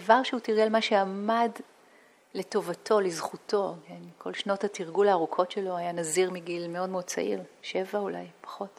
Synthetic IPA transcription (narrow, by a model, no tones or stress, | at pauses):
avaʁʃeutiʁɡelmaʃeamad | le̞to̞vatʰo̞lizχutʰo̞kenkʰo̞lʃno̞thatiʁɡulaːʁukʰo̞tʃelo̞ajanaziʁmiɡilme̞o̞dmeod̚t͡sa̰ʔiʁʃe̞vaula̰jpḁχo̞t